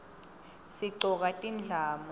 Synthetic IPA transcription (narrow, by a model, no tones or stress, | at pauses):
siǀɔk̬ʼatʼind͡ɮʱaːm